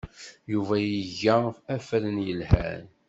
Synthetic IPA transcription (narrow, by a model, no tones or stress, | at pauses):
juvæjəʝːæfæflənjəlhæ̰n